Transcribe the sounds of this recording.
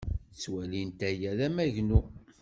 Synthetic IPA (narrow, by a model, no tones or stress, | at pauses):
t͡sːwælint̪æjæðæmæʝnu